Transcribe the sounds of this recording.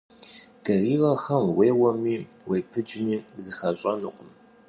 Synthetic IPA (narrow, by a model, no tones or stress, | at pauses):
ɡ̥ɐriːʁɐxɐmweːwɐmiːwejpʰɨd͡ʒmiːzɨxɐɕʼɐnɨqʷʼʊm